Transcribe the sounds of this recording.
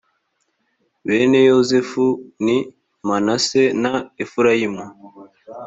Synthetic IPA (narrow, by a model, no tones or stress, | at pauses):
βene̞jozefuni | manasenaefuɾajimu